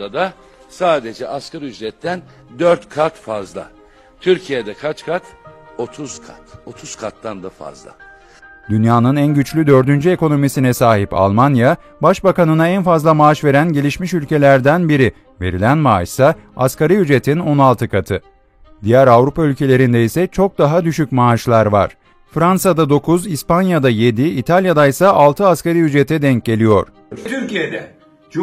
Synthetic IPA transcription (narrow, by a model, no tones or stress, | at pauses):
ad̪a | saːd̪ed͡ʒɛʔaskʰaɾɯjyd͡ʒɛt̪ʰːæn | d̪øɾt̪kʰat̪fazlˠa̰ | t̪ʰyɾcʰijed̪ɛkʰat͡ʃkʰat̪o̞t̪ʰuz̥kʰa̰t̪o̞t̪ʰuz̥kʰat̪ːand̪afa̰zlˠa̰ | d̪ynjaːnɯnænɟyt͡ʃlʲyd̪ø̞ɾd̪ynd͡ʒye̞ko̞no̞misinɛsaːɦipa̰lˠmanja | baʃbakanɯnaænfazlˠamaːʃve̞ɾænɟe̞lʲiʃmiʃylʲce̞lʲæɾd̪ænbiɾi | ve̞ɾilʲænmaa̰ʃsaaskaɾɯjyd͡ʒe̞t̪ʰino̞nalˠt̪ʰɯkʰat̪ʰɯ | d̪ijæɾavɾupʰaylʲcʰe̞lʲe̞ɾind̪ɛisɛt͡ʃʰo̞k̚d̪aɦad̪yʃycmaːʃlˠaɾva̰ɾ̥ | fɾansad̪ad̪o̞kʰuzispanjad̪aje̞d̪iːt̪ʰalʲjad̪ajsaʔalˠt̪ʰɯaskaɾɯjyd͡ʒe̞t̪ʰɛd̪ɛɲc̚ɟe̞lʲijo̞ɾ̥ | t̪ʰyɾijed̪ɛ